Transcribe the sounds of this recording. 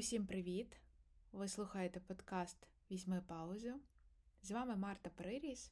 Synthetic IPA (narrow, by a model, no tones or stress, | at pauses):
ʊsʲimpɾɪʋʲit̪ʋɪslˠuxɐjet̪ɛpɔd̪kɑst̪ | ʋʲizʲmɪpɑʊzʲʊzʋɑmɪmɑrt̪ɐpɾɪɾʲizʲ